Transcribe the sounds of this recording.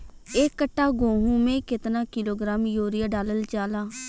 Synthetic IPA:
eːkːəʈːaːɡõːɦũːmẽːkɪt̪naːkɪloːɡɾaːmjoːɾɪjaːɖaːləlt͡ʃaːlaː

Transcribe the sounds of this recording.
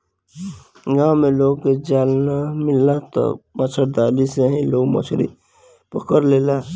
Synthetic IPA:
ɡãwmeloːɡked͡ʒaːlnamɪlːat̪ɔ̰mət͡ʃʰəɾd̪aːliseɦĩloːɡmə̰t͡ʃʰɾḭ | pəkəɾleːla

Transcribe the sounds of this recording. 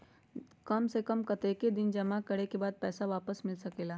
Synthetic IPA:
kɐmsekɐmkɐt̪eːked̪ɪnd͡ʒɐmakɐɽekebaːd̪̚pɛːsaʋaːpəsmɪlsɐkeːlaː

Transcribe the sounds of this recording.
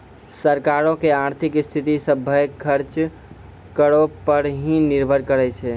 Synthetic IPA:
səɾkaɾõkeaɾt̪ʰikst̪ʰit̪isəbʱəjkʰəɾt͡ʃ | kəɾopəɾɦĩniɾbʱəɾkəɾɛt͡ʃʰɛ

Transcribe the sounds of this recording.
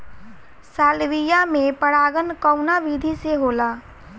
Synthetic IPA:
saːlʋijamẽpəɽaːɡənkɔʊnaʋiːd̪ʱiseɦoːlaː

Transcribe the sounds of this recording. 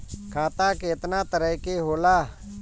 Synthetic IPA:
kʰaːt̪aːkeːt̪naːt̪əɾəɦkeɦoːlaː

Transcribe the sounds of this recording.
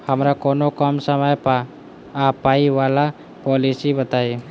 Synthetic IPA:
həmɾakoːnokəmsəməjpaː | paiʋala | pɔːlisibət̪aːi

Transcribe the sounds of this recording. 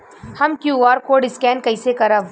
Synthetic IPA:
hɐmkjuːaːɾkoːɖɪskɛːnkɐisekɐɾa

